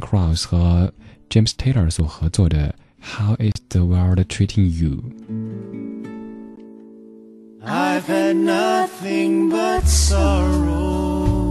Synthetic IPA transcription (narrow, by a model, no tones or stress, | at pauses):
kʰɹɑʊsxɤt͡ʃẽɪmst̪ʰeɪə˞swɔxɤt͡swɔd̪ə | xaʊʔɪzðəwɜ˞dtʰɹ̥iɾʰɪ̃ŋjṵ | aɪvənʌθɪ̃ŋbʌtsɔɹo